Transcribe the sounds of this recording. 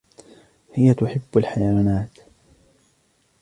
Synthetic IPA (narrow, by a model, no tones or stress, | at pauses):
hɪjat̪ʊħɪbːalħajawaːnaːt̪